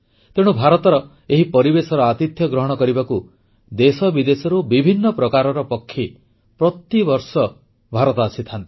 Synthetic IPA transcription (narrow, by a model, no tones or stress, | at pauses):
t̪eɽ̃ubʱaɾɔt̪ɔɾɔ | eɦipɔɾibesɔɾɔat̪it̪jɔɡɾɔɦɔɽ̃ɔkɔɾibaku | d̪esɔbid̪esɔɾubibʱinːɔpɾɔkaɾɔɾɔpɔkʰːi | pɾɔt̪ibɔɾsɔ | bʱaɾɔt̪ɔaːsit̪ʰant̪i̥